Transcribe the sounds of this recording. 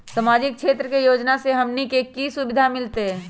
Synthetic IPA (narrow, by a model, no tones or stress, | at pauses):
samaːd͡ʒɪk̚kʰʃeːt̪ɾəkejoːd͡ʒnaseɦɐmnikeːkːisʊbɪd̪ʱamɪlt̪eɦɛ̃